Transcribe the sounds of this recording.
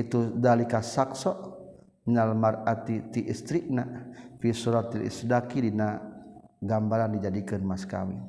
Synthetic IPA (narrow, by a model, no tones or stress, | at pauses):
it̪udalikasaksɔʔ | nalmarat̪it̪iʔist̪ɾik̚napisuɾat̪ilḭsdakidina | ɡambalandid͡ʒadikɨnmaska̰mi